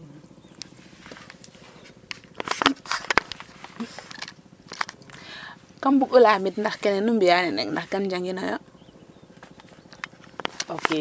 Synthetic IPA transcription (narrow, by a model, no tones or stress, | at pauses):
kambukɔlaːmitndaxkɛnɛnumbijanɛnɛ̰k̚ndaxɡand͡ʒaŋɡinajɔ | oke